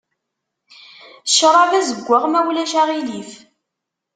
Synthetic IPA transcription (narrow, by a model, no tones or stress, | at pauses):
ʃɾˤɑvæzəɡʷːaʁmæwlæʃæʁilif